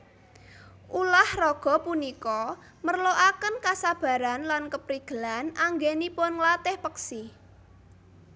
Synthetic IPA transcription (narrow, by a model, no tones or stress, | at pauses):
ʔulahrɔɡ̥ɔ̤punikɔ | mərloʔakənkasab̥a̤ɾanlankəpɾiɡ̥ə̤lanaŋɡenipʊnlat̪ɪhpəksi